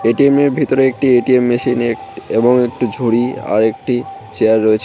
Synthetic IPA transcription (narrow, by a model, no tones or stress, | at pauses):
eʈiemeɾbʱit̪oɾeek̚ʈieʈiemːiʃinekeboŋek̚ʈud͡ʑʱuɽia̰ɾek̚ʈit͡ɕeaɾːoet͡ɕʰe